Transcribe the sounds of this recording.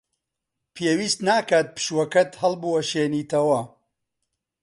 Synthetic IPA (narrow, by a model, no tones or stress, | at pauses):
pʰeːwiːst̪naːkaːt̪̚pɨ̥ʃwɐkɐt̪hɐlbuwɐʃeːniːt̪ɐwɐ